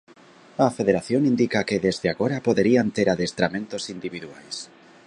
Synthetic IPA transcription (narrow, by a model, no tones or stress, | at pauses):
ɐfeðeɾaθjoŋind̪ikakeðezðeaɣoɾapoðeɾiant̪eɾaðest̪ɾamẽnt̪osind̪iβiðuajs